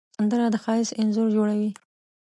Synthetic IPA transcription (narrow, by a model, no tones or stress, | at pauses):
and̪əɾad̪əxɑjɪsɪnzʊɾd͡ʒoɽawi